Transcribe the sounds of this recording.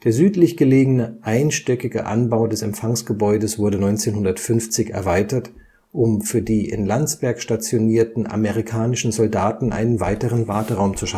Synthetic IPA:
d̥eːɐzyːtlɪçɡ̥əleːɡənəʔaɪnʃtɛkɪɡə̰ʔa̰nbaʊdɛsɛmpfaŋsɡ̥əbɔʏdəsv̥ʊɐdənɔʏnt͡seːnhʊndɐtfʏnft͡sɪçɛ̰ɐvaɪtɐt | ʔʊmfyːɐdiːʔɪ̰nlant͡sb̥ɛɐkʃtat͡sjoniːɐtn̩a̰meʁ̞ikʰaːnɪʃn̩zɔldaːtn̩ʔa̰ɪnənva̰ɪtəʁənvaɐtəʁaʊmt͡suʃa

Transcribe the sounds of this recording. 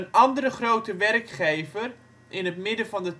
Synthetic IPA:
ənɑndərəχrowtəʋɛrkχejvər | ʔɪnɦətmɪdəvɑndət

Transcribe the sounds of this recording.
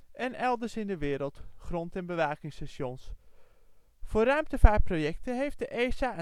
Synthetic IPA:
ʔɛnɛlˠdəɹsɪndəʋɪːɾəlˠtχrɔntɛnbəʋaːkɪŋstasjɔns | fʊːrœɥmtəvaːprojɛktəɦejft̚dəʔeːsaə

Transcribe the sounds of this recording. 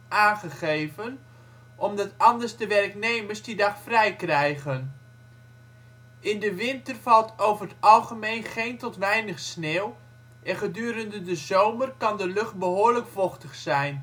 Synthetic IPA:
ʔaːnχəχejvən | ʔɔmdɑtɑndəɹzdəʋɛrknejməɹszdidɑχfrɛjkrɛjχən | ɪndəʋɪntərvɑlˠtowvərətɑlˠχəmejnχejntɔtʋɛjnəχsneːlˠ | ʔɛnχədyːɾəndədəzowmərkɑndəlɵχt̚bəɦʊːɹləkfɔχtəχsɛjn

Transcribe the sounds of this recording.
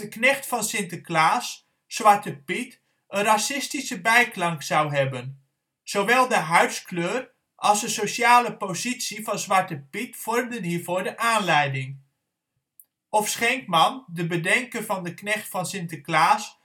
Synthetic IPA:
əknɛχtfɑnsɪntəklaːsː | ʋɑɹtəpit | ənrɑsɪstisəbɛjklɑŋkz̥ɑwɦɛbən | z̥oʋɛlˠdəɦœɥskløːr | ʔɑlˠzdəsoʃaːləpozitsivɑnzʋɑɹtəpitfɔrmdənɦiːɹvoːɹdəʔaːnlɛjdɪŋ | ɔfsχɛŋkmɑndəbədɛŋkənvɑndəknɛχtfɑnsɪntəklaːs

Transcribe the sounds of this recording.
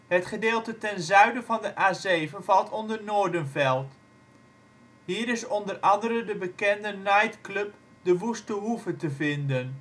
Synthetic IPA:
ɦətχədeːlˠtətɛnzœɥdəvɑndəʔaːzejvənvɑlˠtʰɔndərnoːɹdənvɛlˠt | ɦiːɾɪsɔndərʔɑndəɾəndəbəkɛndənajtklɵp | dəʋustəɦuvətəvɪndən

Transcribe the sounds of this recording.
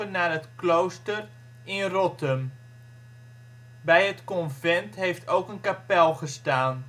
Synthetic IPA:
ənaːrɦətklowstər | ɪnrɔtəm | bɛjətkɔnvɛntɦejftʰowkənkapɛlˠχəstaːn

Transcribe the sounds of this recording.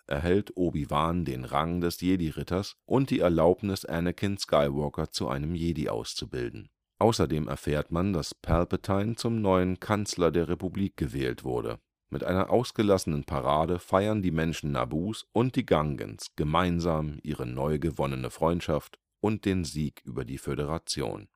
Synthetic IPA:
ʔɛɐɦɛltʰʔoːbivaːndeːnʁaŋdɛsjeːdiʁɪtɐsʔʊnt̚d̥iːɛɐlaʊpnɪsʔɛ̰nəkʰɪnskʰaɪvɔɐkɐt͡suʔa̰ɪnəmjeːdiʔa̰ʊst͡subɪ̰ldn̩ | ʔaʊsɐdeːmʔɛ̰ɐfɛːɐtmandaspʰɛlpətʰaɪnt͡sʊmnɔʏənkʰant͡slɐdeːɐʁepubliːk̚ɡ̥əvɛːltv̥ʊɐdə̰ | mʔɪtʔa̰ɪnɐʔaʊsɡ̥əlasənənpʰaʁaːdəfaɪɐndiːmɛnʃn̩ːa̰buːsʔʊnt̚d̥iːɡaŋɡə̰nsɡ̥əmaɪnzaːmʔiːʁ̞ənɔʏɡəvɔnənəfʁ̥ɔʏ̃ntʃaft | ʔʊnt̚d̥eːnziːkʔyːbɐdiːføɾəʁ̞at͡sjo̰ːn

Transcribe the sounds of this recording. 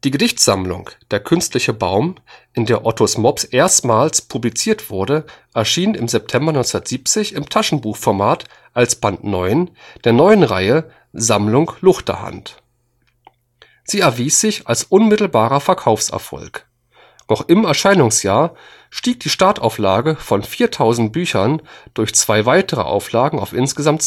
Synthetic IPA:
d̥iːɡədɪçtz̥amlʊ̰ŋkd̥eːɐkʰʏnstlɪçəbaʊmʔɪndeːɐʔɔtʰosmɔpsʔeːɐstmaːlspʰublit͡siːɐtv̥ʊɐdəʔɛɐʃiːnɪmzɛp̚tʰɛmbɐnɔʏnt͡ssndɐtz̥iːp̚t͡sɪçɪmtʰaʃn̩buːxfɔɐmaːt | ʔalsb̥antnɔʏnd̥eːɐnɔʏənʁa̰ɪə | zamlʊŋklʊχtɐ̰ha̰nt | z̥iːɛɐviːsz̥ɪçalsʔʊnmɪtl̩baːʁɐfɛɐkʰaʊfsɛ̰ɐfɔ̰lk | nɔχʔɪmɛɐʃaɪnʊŋsjaːɐ | ʃtiːk̚d̥iːʃtaɐtʔa̰ʊflaːɡəfɔnfiːɐtʰaʊzn̩t̚b̥yːçɐnd̥ʊɐçt͡sv̥aɪvaɪtəʁ̞ə̰ʔa̰ʊflaːɡŋ̩a̰ʊfʔɪnsɡ̥əzamt

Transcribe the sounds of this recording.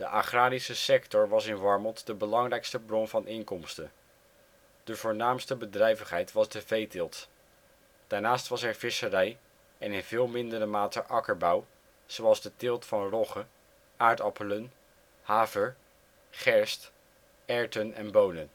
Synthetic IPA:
d̥əʔaχraːɾisəsɛktɔɹʋɑsɪnʋɑɹmɔnˠtdəbəlɑŋrɛjkstəbrɔnvɑnɪŋkɔmstən | d̥əvʊːɹnaːmstəbədrɛjvəχɦɛjtʋɑzdəvejtɪlˠt | d̥aːɹnaːstʋɑsɛɹv̥ɪsərɛj | ɛnɪnvɪːlˠmɪndərəmaːtəʔɑkəɹbɑw | z̥owɑlˠzdətɪlˠtfɑnrɔχə | ʔaːɹtɑpələn | haːvəɹ | χɛɹst | ɛɹtənɛ̰nbownən

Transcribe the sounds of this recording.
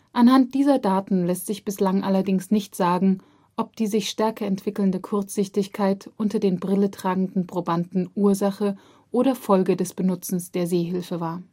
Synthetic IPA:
ʔanhant̚d̥iːzɐdaːtn̩lɛstz̥ɪçb̥ɪslaŋʔalɐdɪŋsnɪçtz̥aːɡŋ̩ | ʔɔp̚d̥iːzɪçʃtɛɐkɐɛntv̥ɪkl̩ndəkʰʊɐt͡sz̥ɪçtɪçkʰaɪtʔʊntɐdeːnbʁɪlətʁ̥aːɡŋ̩dn̩pʁ̥obandn̩ʔuːɐzaχə | ʔoːɾɐfɔlɡədɛsb̥ənʊt͡sn̩sd̥eːɐzeːɦɪlfəvaːɐ

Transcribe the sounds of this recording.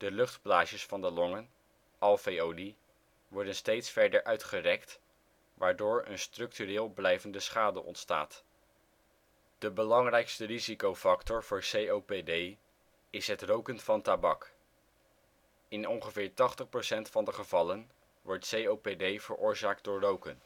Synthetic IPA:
d̥əlɵχdplaːʃəsfɑndəlɔŋən | ʔɑlˠfejowdi | ʋɔɹdənstejtsfɛɹdəɹʔœɥtχərɛkt | ʋaːɹdʊːɹə̰nstrɵk̚tyrɪːlˠblɛjvəndəsχaːdəʔɔ̰ntsta̰ːt | d̥əbəlɑŋrɛjkstərizikowfɑktɔɹv̥ʊːɹsejowpedej | ɪsɦətrowkənfɑntabɑk | ɪnɔŋχəvɪːɹtɑχtəχprowsɛntfɑndəχəv̥ɑlən | ʋɔɹtsejowpedejv̥əɹʔʊːɹzaːk̚d̚ʊːɹrowkən

